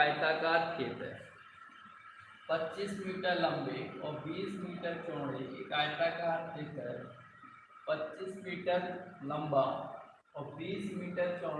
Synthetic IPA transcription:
aːɪt̪akaːɾt̪ʰeːt̪ə̰ | pɐtːt͡ʃismiːʈəɾlɐ̃mbeɔːɾbiːsmiːʈəɾt͡ʃõːɽekekaːɪt̪akaːɾt̪ʰeːt̪əɾ | pɐtːt͡ʃismiːʈəɾlɐ̃mba | ɔːbiːsmiːʈəɾt͡ʃɔ̃ː

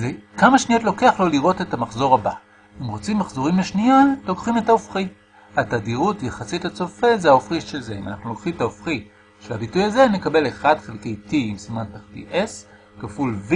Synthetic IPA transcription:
zekamaʃniotlo̞ke̞aχlo̞liʁo̞te̞tamaχzo̞ʁaba̰ | imʁot͡simːaχzo̞ʁimleʃnialo̞kχime̞taofχi | atadiʁutjaχasitat͡so̞fezeaofχiʃelzeima̰na̰χnulo̞kχimetaofχi | ʃelabitujaze̞ne̞kabe̞leχadχelkejtiimsimantaχtḭʔes | kafulv

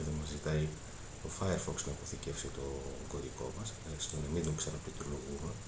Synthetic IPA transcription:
ðɐmɐzzit̪ɐi | t̪o̞fɐjeɾfoksnɐipo̞θice̞fsit̪o̞ŋɡo̞ɾiko̞̰mɐs | ɐksimonɐmid̪oksɐnɐplit̪oloɣume

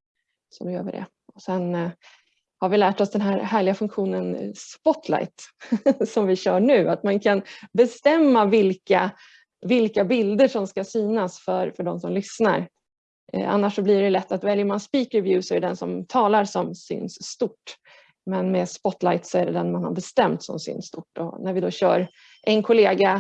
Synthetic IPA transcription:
sɔd̪ɵjø̰ːvə̰ɖɛ̰ | ɔsɛn | haɾvɪlæːʈɔsd̪ɛnɦæːɾɦæːɭɪɡafɵŋkɧuːnənspɔt̪ʰla̰jt̪sɔmvɪɕœːɳʉ̟ːat̪mankʰanbɛst̪ɛmːavɪlka | vɪlkabɪld̪əʂɔmskasyːnasfœɾfœɖɔmsɔmlʏsna̰ɾ̰ | a̰nːaʂɔblɪɾɛlɛt̪ːat̪vɛljəmanspiːkɾɪvjʉːsɔɛɛd̪ɛnsɔmt̪ʰɑːlaɾsɔmsy̰ːnsːt̪ʊʈː | mɛnmɛːspɔt̪lajt̪sɔæɖɛd̪ɛnmanha̰ɾbɛst̪ɛmt̪sɔ̰msy̰ːnsst̪ʊʈːɔ̰næɾvɪd̪ɔɕœ̰ːɾ | ʔɛnkʰʊleːɡa

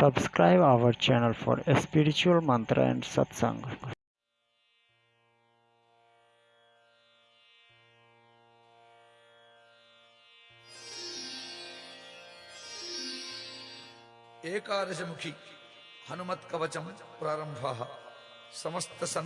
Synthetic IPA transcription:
sɐbskɾaɪbaʋəɾt͡ʃɛnəlfɔ̰ːɾespiɾit͡ʃuɐlmɐ̃nt̪ɾa̰ɛ̰̃ɳɖsɐ̰t̪sɐ̰̃ŋɡ | eːkaːɾjɐd͡ʑɐmukʰi | hɐnumɐt̪kɐʋɐt͡ʃɐmpɾaːɾɐmbʱaːɦɐ | sɐmɐst̪ɐsɐn

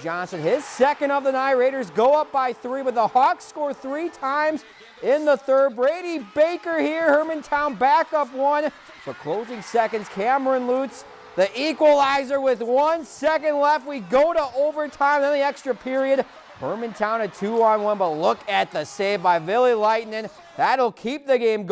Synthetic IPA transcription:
ʒ̥ɑ̃nsɨ̃nɪz̥sɛkɨ̃ndʌvðɨnaɪəɹeɪɾə˞zɡoʊʌp̚b̥aɪθɹiwɨt̪ðəhɑkskɔɹθɹitʰãɪ̃mz | ɪ̃nðəθɜ˞bɹeɪɾibeɪkə˞hiɹhɜ˞mɨ̃ntʰãʊ̃nbækʌpwʌ̃n | b̥ʌt̚kʰl̥oʊzɪ̃ŋsɛkɨ̃ndz̥kʰæmə˞ɨ̃nluts | ðiʔikwəlˠaɪzə˞wɪðwʌ̃nsɛkɨ̃ndˡlɛft̚wiɡoʊɾəʔoʊvə˞tʰãɪ̃mðɨ̃nðiɛkstɹ̥ɨpʰɪɹiɨd̚ | hɜ˞mɨ̃ntʰãʊ̃ñɨtʰʉə̃nwʌ̃nbʌtˡlʊkɨt̪̚ðɨseɪbaɪvɪlˠilaɪʔⁿn̩ɨ̃n | ðəɾl̩ˠkʰip̚ðɨɡẽɪ̃mɡ

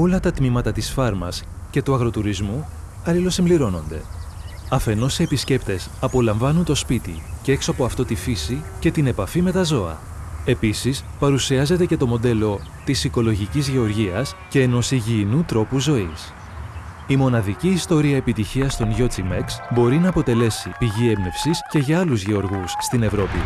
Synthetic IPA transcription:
o̞lɐt̪ɐt̪mimɐt̪ɐt̪isfɐɾmɐ̰sce̞t̪uɐɣɾo̞t̪uɾizmu | ɐlilo̞simbliɾo̞no̞̰nd̪e̞̰ | ɐfe̞no̞sie̞pisce̞pt̪e̞sɐpo̞lɐɱvɐnunt̪o̞spit̪ḭcee̞ksoɐpoɐft̪o̞t̪ifisice̞t̪ine̞pɐfime̞t̪ɐzo̞ɐ̰ | e̞pisispɐɾusiɐze̞t̪e̞ce̞t̪o̞mo̞d̪e̞lo̞t̪isiko̞loʝicizʝe̞o̞ɾʝiɐsce̞ːno̞siʝiːnut̪ɾo̞puzo̞is | imo̞nɐðiciːst̪o̞ɾiɐe̞pit̪içiɐst̪o̞nʝo̞t͡simeksbo̞ɾinɐːpo̞t̪e̞le̞sipiʝie̞mne̞fsisce̞ʝɐɐluzʝe̞o̞ɾɣusːt̪ine̞vɾo̞pi

